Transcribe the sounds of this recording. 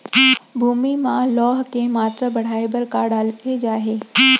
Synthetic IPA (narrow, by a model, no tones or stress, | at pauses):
bʱuːmimãlɔːɦkemaːt̪ɾabɐɽ̤aːebɐɾkaɖaːled͡ʒaːɦeː